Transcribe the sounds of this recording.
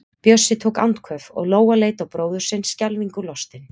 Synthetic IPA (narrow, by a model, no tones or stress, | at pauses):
pjœsːɪt̪ʰoːwka̰wnt̪kʰœfɔ̰ɣloːwaleːjt̪awpɾoːwðʏɾ̥sɪnsːcalviŋkʏlɔst̪ɪn